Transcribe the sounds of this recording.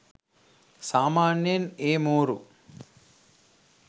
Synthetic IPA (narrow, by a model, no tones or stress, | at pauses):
saːmaːnjɐneːmoːɾṵ